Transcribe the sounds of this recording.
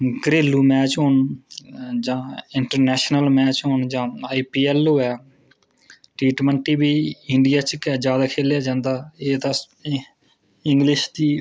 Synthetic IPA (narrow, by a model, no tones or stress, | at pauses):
ɡɾeːluːmɛːt͡ʃɦoːɳ | d͡ʒãːɪɳʈəɾnɛːʃnəlmɛːt͡ʃɦoːɳd͡ʒãːaːiːpiːɛːloːɛː | ʈɾiːʈməɳʈiːbiːɪɳɖɪjaːt͡ʃkɛːd͡ʒjaːd̪aːkʰeːljaːd͡ʒãːnd̪aːeːt̪ã | ɪ̃ŋɡlɪʃd̪iː